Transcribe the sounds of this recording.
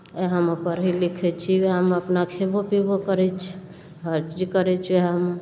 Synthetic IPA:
eɦəmpəɾɦilikʰɛt͡ʃʰieɦəməpnakʰebʱopibokəɾɛt͡ʃʰ | ɦəɾt͡ʃd͡ʒikəɾɛt͡ʃʰeɦəm

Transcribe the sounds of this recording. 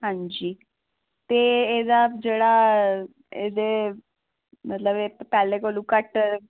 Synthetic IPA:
ɦãɲd͡ʑiː | t̪eed̪ad͡ʒeɽa | ḛd̪e | mət̪ləbeppɛːlekolũkəʈ

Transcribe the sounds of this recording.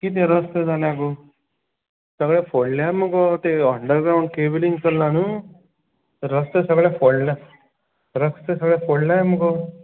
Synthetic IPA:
kiːt̪̬ẽɾəst̪əd͡zʱaljãko | səɡɭafoɽljaməɡɔt̪eəɳɖəɾɡɾawũɳɖkebəliŋɡkəlnañu | ɾəst̪əsəɡɭjafoɭla | ɾəkst̪əsəɡɭɛfoɭlaməɡɔ

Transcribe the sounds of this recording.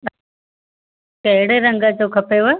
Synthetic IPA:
kɐɦɪɽeɾə̃ŋɡəd͡ʑoːkʰɐpeʋo

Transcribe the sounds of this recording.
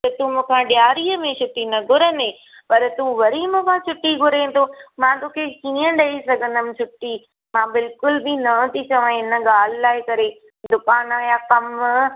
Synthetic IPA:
t̪ɐt̪ũːmũːkʰãːɗjaːɾiːəmẽt͡ɕʰʊʈinɐɡʱʊɾənẽː | pɐɾt̪ũʋɐɾiːmũkʰãːt͡ɕʰʊʈiɡʱʊɾẽːt̪ʰoːmãːt̪oːkʰekĩːə̃ɗɐisɐɡʱə̃nd̪əmɪ̆t͡ɕʰʊʈːi | mãːbɪlkʊlbinɐ̃t̪ʰit͡ɕɐʋãɪnə̆ɠaːl̤ɪlaːɪkɐɾe | d̪ʊkaːnaːjakɐm

